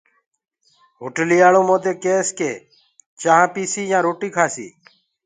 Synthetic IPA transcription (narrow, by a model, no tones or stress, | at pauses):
ɦoʈliːjaːlõːmõːd̪eːkeːskeː | t͡ʃãːpiːsiːjãːɾoːʈiːkʰaːsḭː